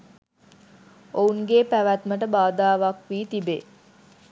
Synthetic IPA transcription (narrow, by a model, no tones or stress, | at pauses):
ouŋɡepæʋæt̪məʈəbaːd̪aːʋakʋiːt̪ibe